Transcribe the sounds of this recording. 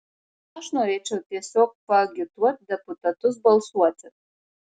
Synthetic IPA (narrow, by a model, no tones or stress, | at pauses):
aʂnaɾeʈ͡ʂʰatʰʼiɛsok̚ʼpʼaɡʲɪtʰʼwat̚ʼdepʼutʼatʰʼʊzbalswat͡sʼatʼ